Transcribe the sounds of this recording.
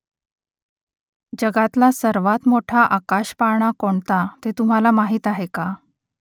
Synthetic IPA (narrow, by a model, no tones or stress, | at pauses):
d͡ʑəɡat̪lasəɾʋat̪moʈʰaʔakaɕpaɳ̃akoɳt̪at̪et̪um̤alamaɦiːt̪aɦeka